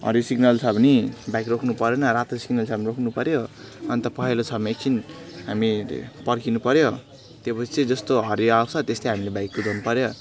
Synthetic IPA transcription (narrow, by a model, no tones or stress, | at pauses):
ɦʌ̰ɾjosiɡnʌlt͡sʰʌbʱnibajkrokʰnupʌɾenʌɾat̪osiɡnʌlt͡sʰʌbʌnirokʰnupʌɾjoʌnt̪ʌpʌɦelot͡sʰʌmekt͡sʰinɦamḭpʌrkinupʌɾjo | t̪jepʌsʰit͡sed͡zʌst̪oɦʌɾjoawt͡sʰʌt̪est̪ʌɦamilebajkːod͡zʌnupʌɾjo